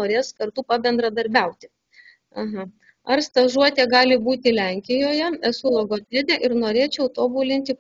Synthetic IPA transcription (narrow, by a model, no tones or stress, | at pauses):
oːɾʲeːskɐɾt̪uːpɐbʲɛnd̪ɾɐd̪ɐɾʲbʲɛʊt̪ʲɪ | ɐɦɐ | ɐrst̪ɐʒuɔt̪ʲeːɡɑːlʲɪbuːt̪ʲɪlʲæŋʲkʲɪjoːjɛɛsʊlˠoɡoːnʲeːd̪ʲeʔɪɾnoːɾʲeːt͡ʃʲɛʊt̪oːbuːlʲɪnʲt̪ʲɪ